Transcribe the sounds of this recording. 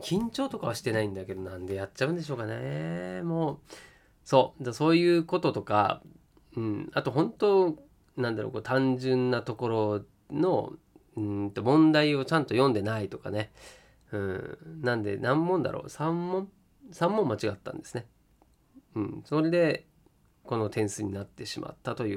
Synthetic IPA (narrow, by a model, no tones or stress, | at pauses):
kʲʰĩɲ̟t͡ɕo̞ːt̪o̞kaβaɕi̥t̪e̞naĩnd̪ake̞d̪o̞nãnd̪e̞jatt͡ɕːaɯ̟̃nd̪e̞ɕoːkanemo̞ː | so̞ːd̪aso̞ːjɯ̟ːko̞t̪o̞t̪o̞ka̰ | ɯ̟̃ɴat̪o̞ɦõ̞nt̪o̞ | nãnd̪aɾo̰koːt̪ãɲd͡ʑɨ̃nːat̪o̞ko̞ɾo̞ | no̞̰ | ɯ̟̃t̪o̞mõ̞nd̪aio̞t͡ɕãnt̪o̞jõ̞nd̪e̞nait̪o̞ka̰ne̞ | ɯ̟̃nãnd̪e̞̰nãmːõ̞nd̪a̰ɾʔo̰ːsãmːõ̞m | sãmːõ̞mːat͡ɕiɡat̪ːã̰nd̪e̞sɨ̥ne̞ | ɯ̟̃ɴsoɾe̞d̪e̞ | ko̞no̞t̪ʰẽ̞ɰ̃sɨɲ̟inat̪ːe̞ɕimʔa̰t̪ːat̪o̞jɯ̟ː